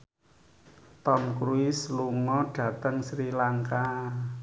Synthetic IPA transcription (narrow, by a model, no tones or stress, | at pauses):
t̪ɔmkɾuɪsluŋɔɖ̥ä̤t̪əŋsɾilaŋka